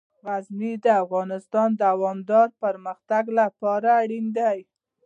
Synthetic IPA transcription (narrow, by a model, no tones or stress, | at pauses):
ɣazmid̪əafɣɑnɪst̪ɑnd̪aawɑmd̪ɑɾpəɾməxt̪aɡlapɑɾaːɽind̪aj